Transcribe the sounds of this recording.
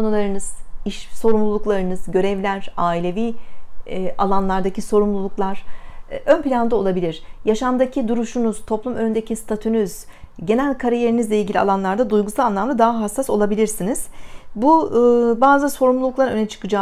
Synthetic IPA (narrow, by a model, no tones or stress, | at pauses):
konulˠaɾɯnɯz̥iʃso̞ɾumlˠulˠuklˠaɾɯnɯzɟø̞ɾɛvlʲæɾ̥aːilʲe̞viː | ʔa̰lˠanlˠaɾd̪aciso̞ɾumlˠulˠuklˠaɾ̥ʔø̞npilʲand̪ˠao̞lˠabilʲiɾ̝̥jaʃamd̪acʰid̪uɾuʃunuz̥t̪ʰo̞plˠumø̞nynd̪e̞cʰist̪ʰat̪ʰynyzɟe̞nælʲkʰaɾaje̞ɾinizlʲeilʲɟilʲia̰lˠanlˠaɾd̪ad̪ujɡusalˠanˠamlˠad̪aɦaɦasːaso̞lˠabilʲiɾsiniz̥bubaːzɯso̞ɾumlˠuluklˠaɾɯnønɛt͡ʃʰɯ̥kɯd͡ʒa